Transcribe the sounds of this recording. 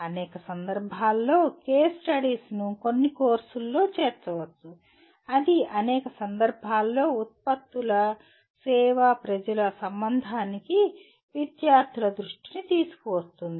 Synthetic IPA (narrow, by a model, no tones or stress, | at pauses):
ɐnɛːkɐsɐnd̪ɐɾbʱaːlːo̞ːkeːsʈɐɽiːsnukonːikoːɾsulːo̞ːt͡ʃeːɾt͡ʃɐʋɐt̪ːu | ɐd̪iɐnɛːkɐsɐnd̪ɐɾbʱaːlːo̞ːut̪̚pɐt̪ːulɐ | sɛːʋapɾɐd͡ʒɐlɐsɐmbɐnd̪ʱaːniki | ʋid̪jaːɾt̪ʰilɐd̪ɾuʂʈinit̪iːsu̥kɔʋɐst̪und̪i